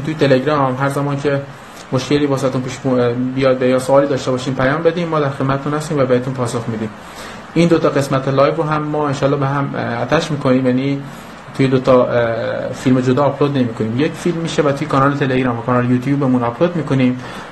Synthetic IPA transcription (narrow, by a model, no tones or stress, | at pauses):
nt̪ʰujet̪ʰe̞leɡɾɒːmmɦæɾzæmɒːncʰe̞ | moʃke̞liːbɒːsæt̪unpiːʃubijɒːjd̪̚bejɒːsoɒːliːd̪ɒːʃt̪e̞bɒːʃiːmpʰæjɒːmbe̞d̪iːmːɒːd̪æɾxe̞d̪mæt̪et̪unhæst̪iːmvæbehet̪unpʰɒːsoxmiːd̪iːm | iːnd̪ot̪ɒɣe̞smæt̪ʰelɒːjvɾoɦæmːɒːenʃɒːlːɒːbeɦæmæt̪ʰæʃmiːkʰo̞niːmjæniː | t̪ʰujed̪ot̪ʰɒ | filmed͡ʒod̪ɒːpʰlod̪ne̞miːkʰoniːmjecfilmːiːʃevæt̪ujekʰɒnɒːlet̪ʰe̞leɡɾɑːmvækʰɒnɒːlejuːt̪ʰjubemunɒpʰlod̪miːkoniːm